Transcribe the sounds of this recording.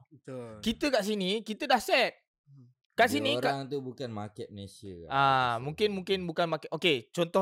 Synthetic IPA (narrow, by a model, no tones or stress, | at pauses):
kit̪əkaʔs̬inikit̪ədahsɛt̪̚ | kaʔsinĩɾkaaŋt̪ubukanma̰kɛt̪̚məesiəkaʔamũŋkɪnmũŋkɪnbukanmakɛt̪oket͡ʃɔnt̪ɔ